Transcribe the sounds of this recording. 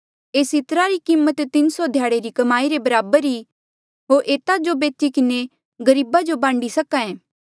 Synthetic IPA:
eːsɪt̪ɾaɾikiːmːət̪ːɪnsɔd̪ʱjaːɽeɾikɐmaːiɾebɐɾaːbəɾi | ɦoːɾʔeːt̪ad͡ʒobeːt̪ikɪne | ɡɐɾiːbad͡ʒobãːɳɖisɐkãẽː

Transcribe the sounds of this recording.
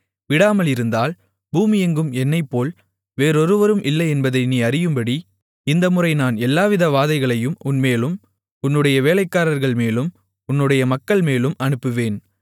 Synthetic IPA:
ʋɪɽaːmɐlɪɾɯnd̪aːl | buːmɪjɛŋɡɯmɛnːɐɪpːoːl | ʋeːɾɔɾɯʋɐɾɯmʔɪlːɐɪɛnbɐðɐɪniːɐɾɪjɯmbɐɽi | ɪnd̪ɐmɯrɐɪnaːnɛlːaːʋɪðɐʋaːðɐɪɣɐɭɐjɯmʊnmeːlɯm | ʊnːɯɽɐjɐʋeːlɐɪkːaːɾɐɾɣɐɭmeːlɯm | ʊnːɯɽɐjɐmɐkːɐɭmeːlɯmʔɐnɯpːɯʋeːn

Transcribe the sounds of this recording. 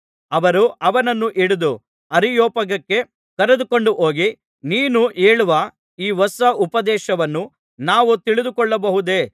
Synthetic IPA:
ɐʋɐɾuʔɐʋɐnɐnːuʔiɽud̪u | ɐɾijoːpɐɡɐkːe̞ | kɐɾed̪uko̞ɳɖuɦoːɡi | niːnuʔeːɭuʋɐ | iːʋɔsɐʔupɐd̪ɛːʃɐʋɐnːu | naːʋut̪iɭid̪ukɔɭːɐbɐɦud̪e̞ː

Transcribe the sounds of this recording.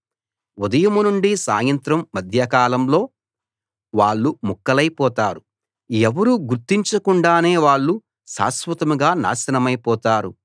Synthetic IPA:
ud̪ɐjɐmunuɳɖisa̰ːjɐnt̪ɾɐmːɐd̪ʱjɐkaːlɐmlo̞ː | ʋaːɭːumukːɐlɐjpɔːt̪aːɾu | ɛʋɐɾuɡuɾt̪ːiɲt͡ʃɐkuɳɖaːne̞ːʋaːɭːu | sa̰ːsʋɐt̪ɐmuɡaːna̰ːsɐnɐmɐjpɔːt̪aːɾṵ

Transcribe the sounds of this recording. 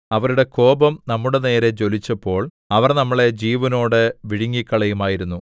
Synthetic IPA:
ɐʋɐɾuɽe̞ko̞ːbɐmnɐmːuɽe̞ne̞ːɾe̞t͡ɕo̞lit͡ɕːɐpːo̞ːɭ | ɐʋɐrnɐmːɐɭe̞d͡ʑiːʋɐno̞ːɽɨʋiɻiŋːikːɐɭɐjumaːjiɾunːu

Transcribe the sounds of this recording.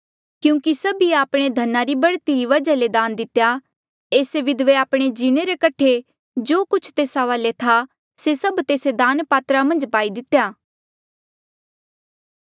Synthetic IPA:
kjũːkisɐbiaːpɽ̃ed̪ʱɐnaɾibɐɽt̪iɾiʋɐd͡ʒaled̪ãːnd̪ɪt̪ːja | eːseʋɪd̪ʋeaːpɽ̃ed͡ʒiːɽ̃eɾekɐʈʰe | d͡ʒoːkʊt͡ʃʰt̪eːsaʋaːlet̪ʰa | sesɐbt̪eːsed̪aːnpaːt̪ɾamɐ̃nd͡ʒbaːid̪ɪt̪ːjaː

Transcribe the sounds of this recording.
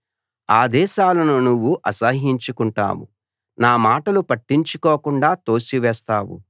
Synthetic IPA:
aːd̪ɛːʃaːlɐnunuʋːuʔɐsɐɦiɲt͡ʃukuɳʈa̰ːwṵ | naːmaːʈɐlupɐʈːiɲt͡ʃukoːkuɳɖaːt̪o̞ːsiʋɛːst̪aːwṵ

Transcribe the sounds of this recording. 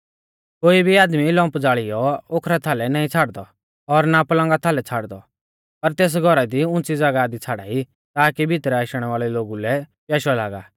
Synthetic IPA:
koːibʱiaːd̪milɔ̃ːmpd͡zaːɭijɔokʰɾat̪ʰaːlɛnaːĩt͡sʰaːɽd̪ɔ | ɔɾnapɐlə̃ŋɡat̪ʰaːlɛt͡sʰaːɽd̪ɔ | pɐɾt̪eːs̬ɡʱɔɾad̪iʊ̃nt͡sid͡zɐɡad̪it͡sʰaːɽa̰ːi | t̪aːkibʱɪt̪ɾɛaʃɽ̃ɛʋaːɭɛloːɡulɛpjɛːʃɔlaːɡa̰ː

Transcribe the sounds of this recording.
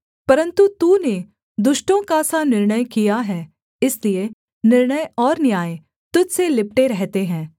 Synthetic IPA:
pɐɾə̃nt̪ut̪une | d̪ʊʃʈõkasanɪɾɳəjkijaɦɛː | ɪslie | nɪɾɳəjɔːɾnjaːje | t̪ʊd͡ʒselɪpʈeɾɛɦt̪eɦɛ̃ː

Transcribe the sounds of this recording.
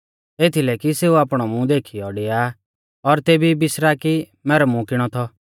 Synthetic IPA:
et̪ʰilɛkiseːuaːpɽ̃ɔmũd̪eːkʰiɔɽeja | ɔɾt̪eːbʱibɪsɾaki | mɛːɾɔmũkɪɽ̃ɔt̪ʰɔ

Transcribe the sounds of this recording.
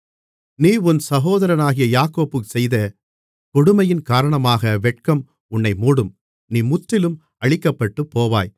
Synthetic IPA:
niːʊnsɐɣoːðɐɾɐnaːɣɪjɐjaːkoːpɯksɛjðɐ | kɔɽɯmɐjɪnkaːɾɐɳɐmaːɣɐʋɛʈ̚kɐm | ʊnːɐɪmuːɽɯm | niːmʊʈɾɪlɯm | ɐɭɪkːɐpːɐʈːɯpːoːʋa̰ːj

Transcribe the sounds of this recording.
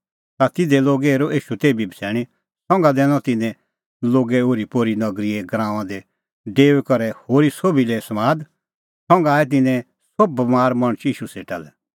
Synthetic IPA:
t̪at̪ɪd̪ɛloːɡɛɾoʔeːʃut̪eːibibʱəsʰɛːɽ̃i | sɔ̃ŋɡad̪ɛːñɔ̃t̪ɪnɛ̃ | loːɡɛoːɾipoɾinɐɡɾiɛɡɾãːʋ̃ãd̪ɛ | ɖeːʋɛkɔɾɛhoːɾisobilɛsɐmaːd̪ | sɔ̃ŋɡaːɛt̪̬ɪnɛ̃ | sobmaːɾmɐɽ̃t͡ʃiːʃuseːʈa̰lɛ

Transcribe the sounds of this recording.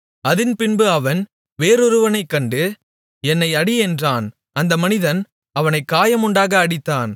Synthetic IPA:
ɐðɪnpɪnbɯɐʋɐn | ʋeːɾɔɾɯʋɐnɐɪkːɐɳɖɯ | ɛnːɐɪɐɽɪɛndraːn | ɐnd̪ɐmɐnɪðɐn | ɐʋɐnɐɪkːaːjɐmʊɳɖaːɣɐːɽɪt̪ːaːn

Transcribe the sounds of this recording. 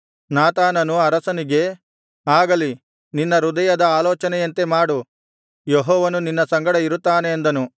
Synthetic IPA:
naːt̪aːnɐnuɐɾɐsɐniɡe̞ | aːɡɐli | ninːɐɾud̪ɐjɐd̪ɐaːlɔːt͡ʃɐnɛjɐnt̪e̞maːɽu | jeɦɔːʋɐnuninːɐsɐŋɡɐɽɐiɾut̪ːaːneːnd̪ɐnu

